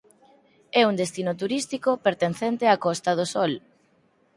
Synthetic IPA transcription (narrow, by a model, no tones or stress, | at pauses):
ɛuŋd̪est̪inot̪uɾist̪ikopeɾt̪enθent̪eakɔst̪að̞osɔl